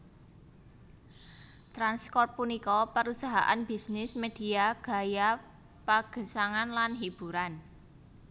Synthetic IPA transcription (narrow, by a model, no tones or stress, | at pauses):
t̪ɾanspɔrt̪̚punikɔpəɾusaɦa̰ʔa̰nb̥isnɪsmed̪̥i̤aɡ̥a̤ja | paɡ̥ə̤saŋanlanɦib̥ṳɾan